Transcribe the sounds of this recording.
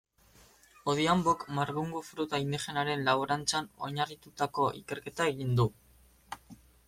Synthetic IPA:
oð̞iambokmaɾβuŋɡufɾut̪aind̪iχe̞naɾe̞nlaβoɾant͡sano̞̰ɲarit̪ut̪ako̞ʔḭke̞ɾke̞t̪ae̞ɣind̪u

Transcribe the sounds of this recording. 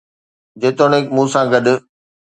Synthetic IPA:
d͡ʑeːt̪oːneːkmũːsãɡɐɗ̆

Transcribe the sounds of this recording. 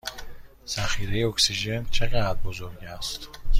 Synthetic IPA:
z̥æχiːɾejeoksiʒent͡ʃʰeɣæd̪bozoɾɡæst̪

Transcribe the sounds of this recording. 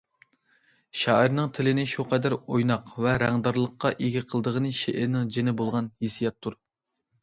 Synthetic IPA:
ʃɑːiɾnɨŋt̪ʰɪlɪnɪʃuqʰɑd̪æɾojnɑqvɛɾɛŋd̪ɑɾlˠəqːɑʔeɡʲiqʰəlˠd̪əʁənɨʃeʔɪɾnɪŋd͡ʒenɪbolˠʁɑnhisijɛt̪ʰːuɾ

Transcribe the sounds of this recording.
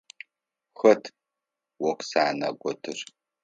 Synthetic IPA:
xɐtʰ | wɔqsaːnɐ̰ɡʷɔtʰɨr

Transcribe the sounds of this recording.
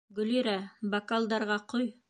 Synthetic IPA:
ɡɵ̆liɾæbɐkalˠd̪ɑɾʁɑqoj

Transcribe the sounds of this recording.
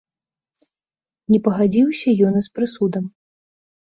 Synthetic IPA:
nʲɛpɐɣad͡zʲiwsʲɐjɔnispɾɨsud̪ɐm

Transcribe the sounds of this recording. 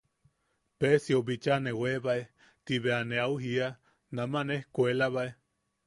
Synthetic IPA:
pesiobit͡ʃaneweβae | t̪iβeaneauɦia | namanehkuelaβae

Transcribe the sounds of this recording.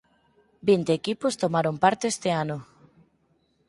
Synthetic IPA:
bint̪eːkipost̪omaɾompaɾt̪eest̪eano

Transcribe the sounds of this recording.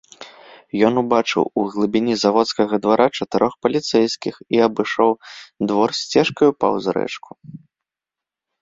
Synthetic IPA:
jɔnubat͡ʂɨ̰wuɣlˠɨbʲinʲizavɔt̪skɐɣɐd̪vaɾʔat͡ʂɐt̪ɛɾɔxpɐlʲit̪sɛjskʲixiɐbɨʂɔwd̪vɔrsʲt͡sʲɛʂkɐjupa̰wzɾɛ̰t͡ʂkʰu̥

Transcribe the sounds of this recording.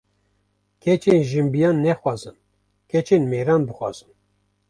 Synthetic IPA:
kʰɛt͡ʃenʒɨmbijɑːnːɛxwɑːzɨn | kʰɛt͡ʃeːnmeːɾɑːnbɨxwɑ̰ːz̥ɨn

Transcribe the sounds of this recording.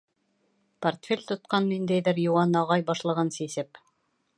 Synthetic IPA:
pɐrt̪fʲelʲt̪ŏt̪̚qɑnːind̪æjðɘɾjuwɑnɑʁɑjbɑʃlˠɤ̆ʁɤnsisɘp

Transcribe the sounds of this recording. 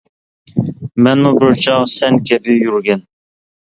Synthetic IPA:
mɛnubɪɾt͡ʃʰɑʁsɛnkʲʰɛbɪjyɾɡʲɛn

